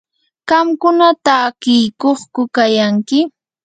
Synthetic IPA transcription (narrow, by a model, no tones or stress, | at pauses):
ɢ̥ɑmkʊnat̪aːkɪjkoχkʊkajaŋkɪ